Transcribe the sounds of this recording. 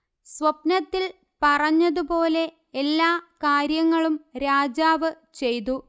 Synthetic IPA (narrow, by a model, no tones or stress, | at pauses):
sʋɐpnɐt̪ːil | pɐrɐɲːɐðupo̞ːle̞ː | lːaːkaːɾjɐŋːɐɭumɾaːd͡ʑaːʋɨ | t͡ɕe̞jt̪̬u